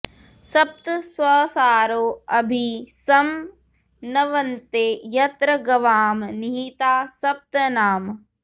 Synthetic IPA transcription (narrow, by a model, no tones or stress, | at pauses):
sɐp̚t̪sʋɐːsaːɾoːɐbʱisɐm | nɐʋɐnt̪eːjɐt̪ɾɐɡɐʋaːmniɦit̪aːsɐp̚t̪naːm